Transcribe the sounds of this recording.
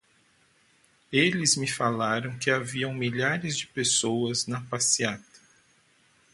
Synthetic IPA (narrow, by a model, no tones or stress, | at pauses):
elɪzmɪfalaɾɐ̃w̃kɪaviɐ̃w̃miʎaɾɪzd͡ʒɪpesowɐznɐpasiat̪ɐ̥